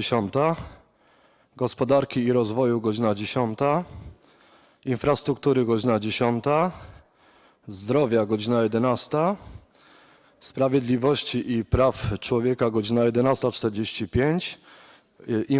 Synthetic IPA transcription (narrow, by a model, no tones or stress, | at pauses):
ɕɔnt̪a | ɡɔspɔd̪aɾkʲiːɾɔzvɔjuɡɔd͡ʑinad͡ʑeɕɔnt̪a | infɾast̪ɾuk̚t̪uɾɘɡɔd͡ʑinad͡ʑeɕɔnt̪a | zd̪ɾɔvʲjaɡɔd͡ʑinajɛd̪ɛnast̪a | spɾavʲjɛd̪lʲivɔɕt͡ɕiʔipɾaft͡ʂwɔvʲjɛkaɡɔd͡ʑinajɛd̪ɛnast̪at͡ʂt̪ɛɾd͡ʑeɕt͡ɕipʲjeɲt͡ɕ | i